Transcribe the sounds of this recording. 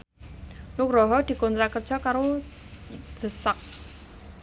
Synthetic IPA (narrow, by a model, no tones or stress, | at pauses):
nʊkrɔɦɔd̪̥i̤kɔnt̪ɾakərd͡ʒ̥a̤kaɾo | d̪̥ə̤sak̚